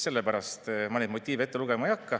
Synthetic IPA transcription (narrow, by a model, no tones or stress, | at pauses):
se̞lːepæɾɑst̪mɑnʲid̪̚mo̞t̪ʲːiːve̞t̪ːeluɡ̥emɑjɑkːɑ